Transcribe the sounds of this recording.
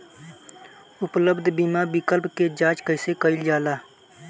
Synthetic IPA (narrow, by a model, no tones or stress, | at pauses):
ʊpləbd̪ʱbimabɪkəlpked͡ʒãːt͡ʃkəɪsekəɪld͡ʒaːlaː